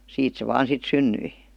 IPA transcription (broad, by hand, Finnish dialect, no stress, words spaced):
siːt se ʋɑːn sit synːyi